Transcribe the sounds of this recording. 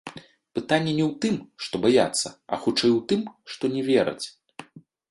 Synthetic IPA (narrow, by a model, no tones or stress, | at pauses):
pɨt̪anʲːɛnʲɛwt̪ɨmʂt̪ɔbaja̰t̪sːɐɐ̰xut͡ʂɛjwt̪ɨmʂt̪ɔnʲɛvʲɛɾɐ̰t͡sʲ